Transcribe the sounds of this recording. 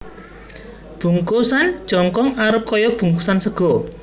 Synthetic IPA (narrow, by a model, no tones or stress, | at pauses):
b̥ṳŋkosan̥ʒ̥ɔ̤ŋkɔŋaɾəp̚kɔjɔb̥ṳŋkusansəɡ̥ɔ